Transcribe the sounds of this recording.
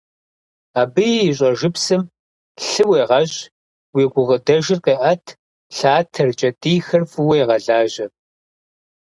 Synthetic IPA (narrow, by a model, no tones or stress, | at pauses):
aːbɨiɕ̬ʼɐʒɪpsɨm | ɬɨweːʁɐʑ | wiːɡʷʊʁədɐʒɪrqeːʔɐtʰ | ɬaːtʰɐrt͡ʃʼɐtʼiːxɨrfɨwejʁɐɮaːʒɐ